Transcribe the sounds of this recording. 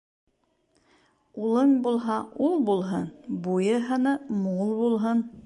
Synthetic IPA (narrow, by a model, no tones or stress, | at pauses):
ulˠɤŋbulˠɦɑulˠbulˠɦɤnbujɤ̆ɦɤ̆nɤmulˠbulˠɦɤn